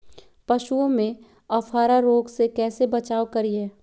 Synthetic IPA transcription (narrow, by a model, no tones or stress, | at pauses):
pɐʃuõmẽ | ɐfʰaːɾaɾoːɡsekɛːsebɐt͡ʃaːokɐɾiɦɛː